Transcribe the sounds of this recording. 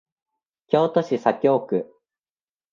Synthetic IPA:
kʲo̞ːt̪o̞ɕisakʲo̞ːkɯ̟

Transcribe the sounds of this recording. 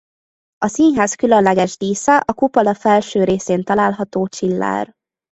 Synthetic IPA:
ɒsinɦaːskylønlɛɡɛʒd̪iːsɒʔɒkupɒlɒfɛlʃøːɾeːseːnt̪ɒlaːlɦɒt̪oːt͡ʃilːa̰ːr

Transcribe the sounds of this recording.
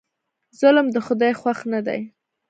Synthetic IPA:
z̥ʊlmd̪əxʊd̪ɑjxwaxnad̪a̰j

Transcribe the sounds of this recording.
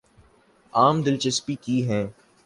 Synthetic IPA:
aːmd̪ɪlt͡ʃɪspikiɦɛ̃ː

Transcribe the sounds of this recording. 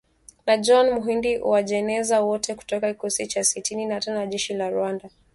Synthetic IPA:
nad͡ʒɔnmuɦindiṵwaʄɛnɛzawɔtɛku̥tɔkaki̥kɔsit͡ʃasitininatanaʄɛʃilaɾuanda

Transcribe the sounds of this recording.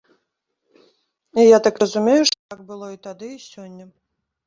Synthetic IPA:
ijat̪akrəzumʲejuʂt̪ot̪ak̚bɨlˠoit̪ad̪ɨisʲonʲːə

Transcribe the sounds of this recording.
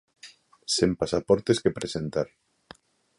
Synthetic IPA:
sempasapoɾt̪eskepɾesent̪aɾ

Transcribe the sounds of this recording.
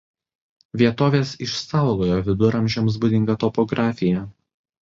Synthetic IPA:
ʋʲiɛt̪oːʋʲeːsɪʃsɑˑʊɡˠoːjoʋʲɪd̪ʊɾʔɐmʲʒʲɛms̬bʊd̪ʲɪŋɡɐt̪ɔpɔɡɾʔɑːfʲɪjɛ

